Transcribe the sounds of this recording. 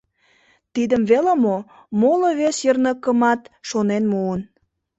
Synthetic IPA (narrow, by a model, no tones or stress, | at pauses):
t̪id̪əmβelemo | moloβesjərnəkəmɑt̪ʃonenmuən